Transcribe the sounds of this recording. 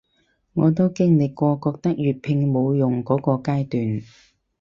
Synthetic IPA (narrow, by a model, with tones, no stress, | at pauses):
ŋɔː˨˧t̪o˥wkɪ˥ŋlɪ˨kːʷɔː˧kɔː˧k̚t̪ɐ˥k̚jyː˨t̚pʰɪ˧ŋmo˨˧wjʊ˨ŋkɔː˨˥kɔː˧kaː˥jt̪yː˨n